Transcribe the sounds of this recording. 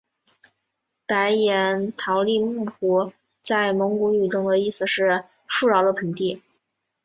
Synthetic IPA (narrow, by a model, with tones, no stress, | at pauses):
pa˧˥ɪjɛ˧˥nt̪ʰɑ˧˥ʊli˥˧mu˥˩pu˧˥ | t͡sa˥˩ɪmɤ˧˥ŋku˧˥y˨˩ʈ͡ʂʊ˥ŋd̪ə˧i˥˩sɹ̩˩ʂɻ̩˥˧ | ʂu˥˧ɻɑ˥˧˥ʊd̪ə˧pʰə˧˥ŋt̪i˥˩